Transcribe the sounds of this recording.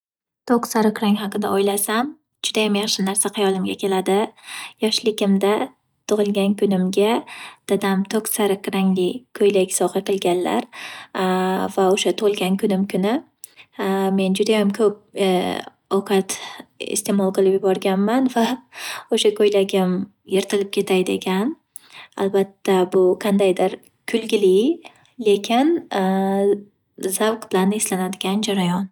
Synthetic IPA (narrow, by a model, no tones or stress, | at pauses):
t̪ʰoksaɾɪkʲɾaŋɦɑqɨd̪aʔɒjlasam | d͡ʒʊd̪ajamjɑχʃɪnaɾsaqʰɑjɒlˠɪmɡʲa̰kʲʰe̞lad̪ɪjɒʃlɪkʲɪmd̪a | t̪ʰʊʁɨlˠɡʲankʰʊnɪmɡʲad̪̥ad̪amt̪ʰoksaɾɪkɾaŋlɪkʰɵjlaɡʲsɒqɨqʰɨlˠɡʲanla̰ɾ | vaoʃat̪ʰʊʁɨlˠɡʲankʰʊnɪmkʰʊnɪ | me̞nd͡ʒʊd̪ajamkʰɵp̚ | ɒwqʰɑt̪ɪ̰st̪e̞mɒlˠqɨlˠɪpjʊbɒɾɡʲanmanvaoʃakʰɵjlaɡʲɪm | je̞ɾt̪ʰɪlɪp̚kʲʰe̞t̪ʰajd̪ḛkʲʰan | albat̪ːabʊqʰɑnd̪ajd̪ɪɾ | kʲʰʊlɡʲɪli | le̞kʲʰɪn | zawqb̥ɪlanːeslanad̪ɪɡʲand͡ʒaɾajɒn